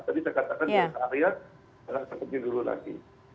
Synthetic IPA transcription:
t̪abisajkat̪akanasaaɾia | əɾasəpət̪idulula̰sḭ

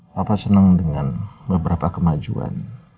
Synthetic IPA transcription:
bapasənəŋdəŋanbəbəɾapakəmad͡ʒṵa̰n

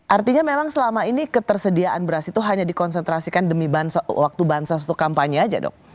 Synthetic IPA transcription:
ʔart̪iɲamemaŋsəlamainikət̪ərsədiaʔanbəɾasit̪uɦaɲadikɔnsənt̪ɾasikandəmibansawak̚t̪ubansas̬u̥t̪ukampaɲiad͡ʒa̰dɔ̰k̚

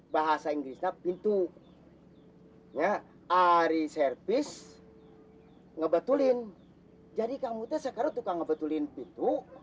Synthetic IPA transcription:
baɦasaiŋɡɾisɲapint̪u | ɲa | ʔaɾisɛrpis | ŋəbət̪ulin | d͡ʒadikamut̪ɛsəkaɾaŋt̪ukaŋːəbət̪ulinpint̪u

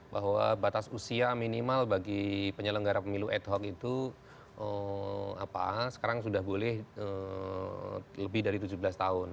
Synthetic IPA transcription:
baɦwa̰bat̪asusiaminimalbaɡipəɲələŋɡaɾapəmiluʔɛt̪ɦɔkit̪u | ʔəa̰pa̰sə̥kaɾaŋsudahbolɛhə | ləbɪhdaɾit̪ud͡ʒublast̪aʊn

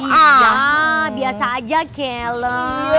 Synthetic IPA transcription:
jabiasaːd͡ʒakɛlə

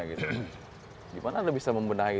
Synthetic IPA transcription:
aɡit̪u | ɡimanadabisaməmbənai

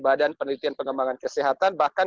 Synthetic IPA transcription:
badanpənəlit̪ianpəŋəmbaŋankəsiɦat̪anbahkan

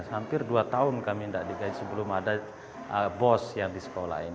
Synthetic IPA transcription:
hampɪrduat̪aʊnkamindaʔdiɡaɪt̪səbəlʊmada | əbɔsjaŋdisə̥kola̰in

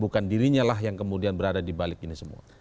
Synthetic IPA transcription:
bukandiɾiɲalaɦjaŋkəmudianbəɾadadibalɪk̚inisəmṵa̰

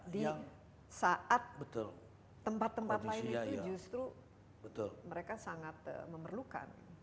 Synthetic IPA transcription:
di | saʔat̪̚bət̪ʊlː | əmpat̪ːəmpat̪laɪniud͡ʒust̪ɾu | bət̪ʊlməɾekasaŋat̪ə̰məmərluka̰n

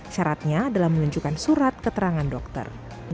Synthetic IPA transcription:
ʃaɾat̪̚ɲaːdalahməluɲt͡ʃukansuɾat̪̚kət̪əɾaŋandɔk̚t̪ə̰r

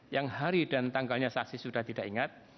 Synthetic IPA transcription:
jaŋhaɾidant̪aŋɡalɲasaksisudaht̪idaʔiŋat̪̚

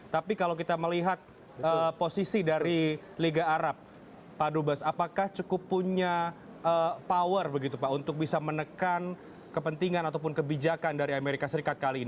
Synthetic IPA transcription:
t̪apikalawk̬it̪aməliɦat̪̚ | əposisidaɾi | liɡaːɾap̚ː | adubasapakaht͡ʃukʊpːuɲa | əpawərbəɡit̪upaʔunt̪ʊk̚bisamənəkan | kəpənt̪iŋanat̪awpʊnkəbid͡ʒakandaɾiameɾikasəɾikat̪̚kalin

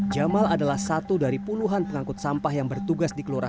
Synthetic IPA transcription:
d͡ʒamaladalahsat̪udaɾipuluɦanpəŋakʊt̪̚sampahjaŋbərt̪uɡasdikəloɾa

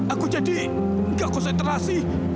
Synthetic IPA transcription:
ʔakud͡ʒadi | ŋɡaʔkɔnsɛnt̪ɾasi

